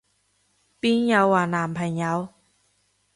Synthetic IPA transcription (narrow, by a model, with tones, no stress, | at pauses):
pi˦˥ja˧˥waː˨˧˩naː˨˩mpʰa˧˩jɲa˧˦w